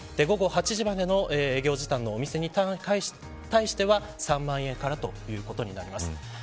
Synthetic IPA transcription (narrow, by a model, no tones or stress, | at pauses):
d̪̥e̞ɡo̞ɡo̞hat͡ɕiʑimad̪e̞no̞ʔeːɡʲo̞ːʑit̪ãnːo̞ːmʲise̞ɲ̟ika | t̪aiɕi̥t̪e̞βa | sãmːãɰ̃ẽ̞ŋkaɾat̪o̞jɯ̟ːko̞t̪o̞ɲ̟inaɾʲimasɨ̥